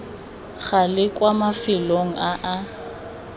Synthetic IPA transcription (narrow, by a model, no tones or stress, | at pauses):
ɣalɪkʼwamafɪloŋ̩ʔaʔa